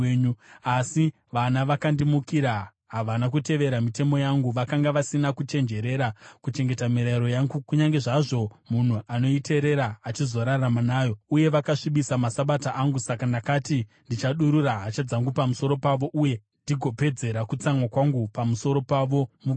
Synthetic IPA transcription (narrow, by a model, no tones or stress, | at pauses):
ɲuasi | ʋanaʋakandimukiɾa | ɦaʋanak̬ute̞ʋe̞ɾamite̞mo̞jaŋɡuʋakaŋɡaʋasinakut͡ʃe̞nd͡ʒe̞ɾe̞ɾakut͡ʃe̞ŋɡe̞tamiɾaiɾo̞jaŋɡukuɲaŋɡe̞ʐaʐo̞mun̤uʔano̞ite̞ɾe̞ɾaːt͡ʃizo̞ɾaramanaːjo̞uje̞ʋakaʂiɓisamasaɓataʔaŋɡusakandakati | ndit͡ʃaɗuɾuraɦat͡ʃad͡zaŋɡupamuso̞ɾo̞paʋo̞ʔuje̞ | ndiɡʱo̞pe̞d͡ze̞ɾakut͡samwakwaŋɡupamuso̞ɾo̞paʋo̞muk